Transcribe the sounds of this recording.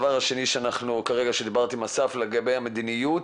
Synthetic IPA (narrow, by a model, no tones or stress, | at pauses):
vaʁhaʃe̞niʃeanaχnukaʁeɡaʃed̪ibaʁt̪imasafleɡabe̞jhamed̪inijut